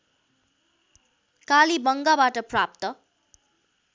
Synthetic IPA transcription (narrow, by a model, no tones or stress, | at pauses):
kalibʌŋɡabaʈʌprap̚t̪ʌ